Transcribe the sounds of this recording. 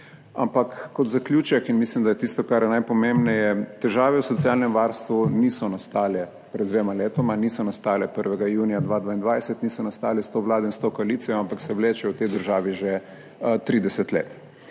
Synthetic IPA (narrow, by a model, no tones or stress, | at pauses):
a̰mpakːɔt̪zaklʲjuːt͡ʃɛkinmislimd̪ajɛt̪ist̪ɔkaɾjɛnajpɔmẽmbnɛjɛt̪ɛʒaːʋɛwsɔt̪sialnɛmʋaɾst̪ʋunisɔnast̪aːlɛ | pɾɛd̪ʋeːmaleːt̪ɔmanisɔnast̪aːlɛpəɾʋɛɡajuːnijad̪ʋaːd̪ʋaːind̪ʋajsɛt̪nisɔnast̪aːlɛst̪oːʋlaːd̪ɔinst̪okoaliːt̪sijɔampaksɛwleːt͡ʃɛwt̪ed̪əɾʒaːʋiʒe | t̪ɾiːd̪ɛsɛt̪lḛːt̪